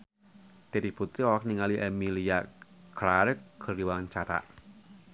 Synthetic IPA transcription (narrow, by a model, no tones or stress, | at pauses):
t̪eɾibut̪ɾiɔlak̚niŋaliʔɛmiliaklaɾkːəriwaɲt͡ʃaɾa̰ʔ